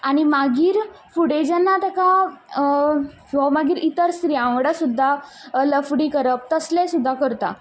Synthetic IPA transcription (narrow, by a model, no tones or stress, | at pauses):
aɽ̃imaɡiːɾ | fuɽed͡ʑanːat̪əka | ɔmaɡiːɾit̪əɾst̪ɾiãʋɽasud̪ʱːaləfɽiːkəɾəp̚t̪əslɛsud̪ʱːakəɾt̪a̰